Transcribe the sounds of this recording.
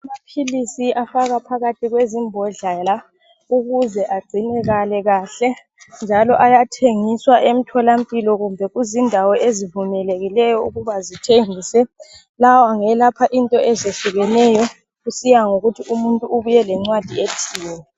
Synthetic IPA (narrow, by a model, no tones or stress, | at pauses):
amapʰilisiafaɣapʰaɣatʰiɣwezimbʱɔɮala | uɣuzɛʔaɡ͡ǀʱinɛɣalɛɣaːɬɛ | nd͡ʒʱalɔʔajatʰeŋiswaʔem̩tʰɔlam̩pʼilɔɣumbʱɛɣuzindʱawɔʔezivumɛleɣilɛjɔṵɣuβazitʰeŋiːsɛ | lawɔaŋɛlapʰaʔintʼɔɛzeɬuɣɛnɛjɔ | ɣusijaŋoɣutʰiʔumuntʼuːβujɛlɛŋ͡ǀwad̥ʱietʰiːnɛ